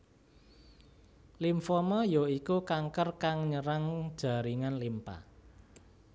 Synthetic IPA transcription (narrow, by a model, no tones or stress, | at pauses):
limfɔmɔjoikukaŋkərkaŋɲəɾaŋd̥ʒ̥a̤ɾiŋanlimpa̰